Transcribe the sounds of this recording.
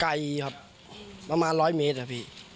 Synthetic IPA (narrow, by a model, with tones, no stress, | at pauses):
ka˧jkʰa˧˩p̚ | pa˧maː˧nɾɔː˦˥jmeː˦˥t̪̚ha˧˩pʰiː˧˩